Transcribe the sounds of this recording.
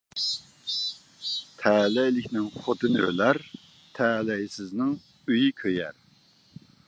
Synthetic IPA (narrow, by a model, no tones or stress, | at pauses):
t̪ʰɛlɛjlɪkʲnɪŋχot̪ʰɨnɨø̰læɾ | t̪ʰɛːlɛjsɪznɪŋ | yjikʲʰøjɛ̰ɾ